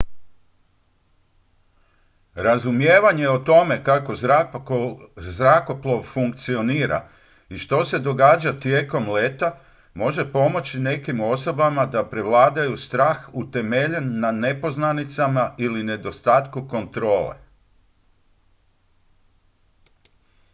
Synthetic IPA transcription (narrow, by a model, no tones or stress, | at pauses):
ɾazumje̞ːʋaɲe̞ot̪o̞me̞kako | zɾako̞plˠo̞ʋfuŋkt̪sio̞niːɾa̰ | iʃt̪o̞se̞d̪o̞ɡaːd͡ʑat̪je̞ːko̞mleːt̪a | mo̞ʒe̞po̞mo̞t͡ɕine̞kimo̞so̞bamad̪apɾe̞ʋlaːd̪ajust̪ɾaːxut̪e̞me̞ʎenːane̞po̞znanit̪samailine̞d̪o̞st̪aːt̪kuko̞nt̪ɾo̞ːlḛ